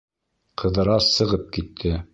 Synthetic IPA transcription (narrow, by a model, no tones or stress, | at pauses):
qʰɤ̆ðɤ̆ɾɑsɤ̆ʁɤp̚kit̪ʰːɘ